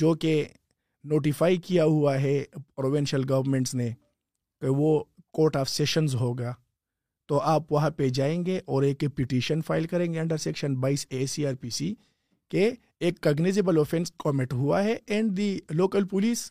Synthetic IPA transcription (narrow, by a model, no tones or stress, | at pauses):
d͡ʒoːke | noːʈ̬ifaːikijaɦuaɦɛpɾoːʋɪ̃nʃəlɡɐʋəɾmẽːɳʈsne | keʋokoːɾʈaːfseːʃənzɦoːɡaː | t̪oʔaːpʋɐɦãped͡ʒaːẽːŋɡeʔɔːɾeːkpɪʈiːʃənfʰaːɪlkɐɾẽːŋɡeɐ̃ɳɖəɾseːkʃənbaːiːseːsiaːɾpiːsi | keː | kːɐɡnizebəlɔːfʰẽnskɔːmɪʈɦuaɦɛʔɛ̃ːɳɖd̪iloːkəlpʊliːs